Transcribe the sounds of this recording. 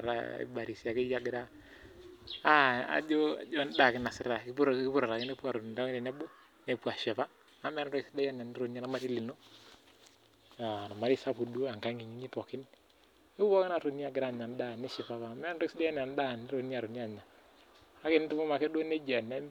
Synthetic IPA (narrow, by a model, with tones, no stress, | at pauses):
a˨ɾa̰˨ḭ˨ba˨ɾi˨si˨a˨ke˦ja˦ɡɪ˨ɾa˦ | a˦a̰˨d͡ʒo˦a̰˨d͡ʒo˦n˦da˨kɪ˦na˨sɪ˦ɾa˨kɾkɪ˦pu˦ɾa˨ɾa˨kɪ˦ne˦pu˦a˨ɾo˨n˨ta˦ne˨nɛ˦bo˦ | ne˦pu˦a˨ʃɛ˨pa˦ | a˨˦m˦a˦ɾɾɔ˦ksi˦da˦ja˦n˨a˨nɪ˦ɾo˨ni˦a˦na˦ma˦ti˦li˨no˦ | a˨na˨ma˨ɾi˦sa˦pu˨du˦o˦a˨ŋka˦ŋɡi˨ɲi˦ɲi˦pɔ˨kɪ˦n | ɪ˦ɔ˦kɪ˦na˨ɾo˨ni˦a˨ɡɪ˨ɾa˦˨ɲa˨n˦da˦˨nɪ˦ʃɛ˨pa˦βa˨mɛ˦ɾɔ˦ksi˦da˦ja˦n˨a˨n˦da˦˨nɪ˦ɾo˨ni˦a˨ɾo˨ni˦a˨ɲa˨ | a˦kɪ˨n˦tu˦mo˦ma˨kɛ˦do˦ne˦d͡ʒa˨na˦